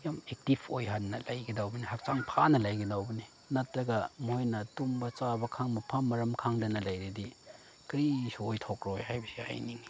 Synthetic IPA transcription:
jamek̚tipʰojɦanːɐlajɡidawbɐnihak̚t͡ʃaŋpʰanɐlajɡidawbɐni | nɐtɾɐɡɐmojnɐtumbɐt͡ʃabɐkʰaŋmɐpʰamɐɾɐmkʰaŋdɐnɐlajɾidi | kɾisuojtʰokɾojhajbɐsia̰jniŋi

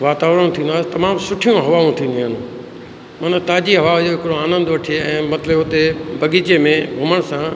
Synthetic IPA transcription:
ʋaːt̪aːʋɾəɽ̃t̪ʰĩːnd̪aːsɪt̪ɐmaːmsʊʈʰijõɦɐʋaːũt̪ʰĩːn̆d̪ĩɦaːnũː | mɐnət̪aːd͡ʑiɦɐʋaːd͡ʑoɦɪkɪɾoaːnə̃nd̪ʊʋɐʈʰieɛ̃ːmɐt̪ləbɦʊt̪ebɐɠit͡ɕemẽbʱʊməɽ̃sã

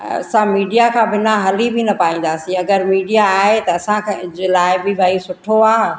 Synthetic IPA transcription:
ɐ̰sãmiːɖijakʰãbɪnaɦɐlibʱinɐpaːĩːn̆d̪aːsĩɐɡəɾmiːɖijaaːɦet̪ɐɐsãkʰed͡ʑeːlaːɪbʱibʱaisʊʈʰoaː

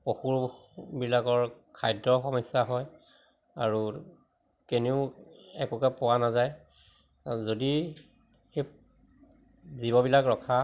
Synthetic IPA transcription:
poxuɹbilakɔɹkʰajdɔxɔmɔjsaɦɔj | a̰ɹu | keneʊɛkukɛpɔwanazaj | zodi | xe | zibɔbilakɹɔkʰa

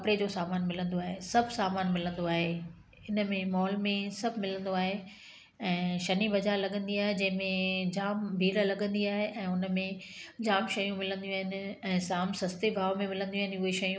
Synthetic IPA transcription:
kɐpɪɽed͡ʑoːsaːmaːnmɪlə̃nd̪oaːɦesɐbʱsaːmaːnmɪlə̃nd̪oaːɦe | ɪnəmẽmɔːlmẽsɐbʱɪmɪlə̃nd̪oaːɦe | ɛ̃ːʃɐnibɐd͡ʑaːɾlɐɠə̃nd̪iaːɦed͡ʑɐ̃ɦɪ̃mẽd͡ʑaːmbʱiːɾlɐɠə̃nd̪iaːɦeʔɛ̃ːʊnmẽd͡ʑaːmʃɐjũmɪlə̃nd̪ijũaːɦɪnɪ̆ɛ̃ːsaːmsɐst̪ebʱaːʋmẽmɪlə̃nd̪j̃aːɦɪ̃nɪʊɦeʃɐjũ

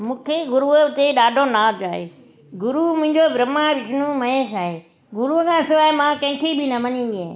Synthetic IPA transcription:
mũːkʰeɡʊɾuət̪eɗaːɖʱonaːd͡ʑaːɦḛ | ɡʊɾumʊ̃ɦɪ̃ɲd͡ʑobɾɐmaʋɪʃʰnũmɐeːʃaːɦe | ɡʊɾuəkʰãːɪsoaːɦemãkɐ̃ɦɪ̃kʰebɪnɐmɐnĩːn̆d̪iẽ

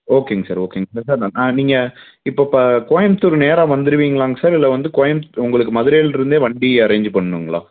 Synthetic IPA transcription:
oːkeːŋɡɐsaːɾoːkeːŋɡɐsaːɾsaːɾd̪ãːnãːniːŋɡɐ | ɪpːoːpːɐkoːjɐmt̪ʊɾneːɾãːʋɐnd̪ɪɾɯʋiːŋɡɐɭaːŋɡɐsaːɾɪlːɐʋɐnd̪ɯkoːjɐmʊŋɡɐɭɯk̬ːɯmɐðɯɾɛjlɪɾɯnd̪eːʋɐɳɖiɐɾɐːɲd͡ʒpɐɳːɐnɯŋɡɐɭa̰ː

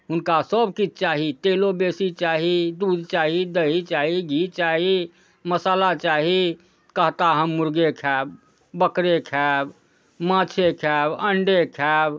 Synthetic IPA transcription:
ʊnkasəbkit͡ʃʰt͡ʃaːɦit̪eːlobeːsit͡ʃaːɦid̪ud̪t͡ʃaːɦid̪əit͡ʃaːɦiɡʱit͡ʃaːɦi | məsaːlat͡ʃaːɦi | kəɦt̪aɦəmːʊɾɡekʰɛːb | bəkɾekʰɛːb | mãːt͡ʃʰekʰɛːbəɳɖekʰɛb

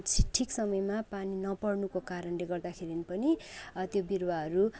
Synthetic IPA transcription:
t͡sʰʈʰiksʌmʌjmapaninʌpʌrnukokaɾʌnleɡʌrd̪akʰeɾinipʌnit̪jobirwaɦʌɾu

